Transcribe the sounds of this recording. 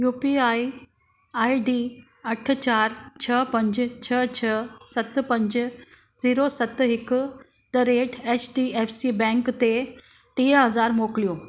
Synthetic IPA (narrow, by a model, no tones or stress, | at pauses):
jupiai | aiɖi | əʈʰt͡ɕaɾt͡ɕʰəpəɲd͡ʑt͡ɕʰət͡ɕʰəsət̪pəɲd͡ʑ | d͡ziɾosət̪ɦek | t̪əɾeʈʰet͡ɕɖiefsibɛ̃ŋkt̪e | t̪eɦəd͡zaɾmokljo